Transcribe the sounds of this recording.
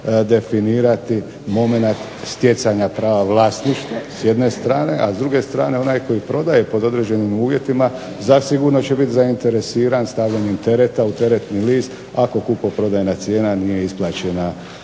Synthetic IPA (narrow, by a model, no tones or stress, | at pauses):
d̪e̞finiːɾat̪i | mo̞me̞nat̪ | st̪je̞t̪saɲapɾaːʋaʋlˠaːst̪niʃt̪osje̞d̪ne̞st̪ɾaːne̞ʔazd̪ɾuɡe̞st̪ɾaːne̞o̞najko̞jipɾo̞d̪aje̞po̞d̪o̞d̪ɾe̞ːd͡ʑe̞nimuːʋje̞t̪ima | zasiɡuɾno̞t͡ɕe̞bit̪zaint̪e̞ɾe̞siːɾanst̪aʋʎaɲemt̪e̞ɾet̪aut̪e̞ɾe̞t̪niliːst̪ | ako̞kupopɾo̞d̪ajenat̪sje̞ːnanije̞isplaːt͡ɕe̞na